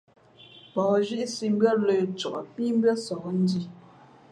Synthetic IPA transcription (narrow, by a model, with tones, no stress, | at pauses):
pɔː˨ʒi˦ʔsi˨m̩˦bɰə˦lə˨t͡ʃɔ˨ʔɔ˨pi˦m̩˦bɰə˦sɔ˨kn̩˦di˦˨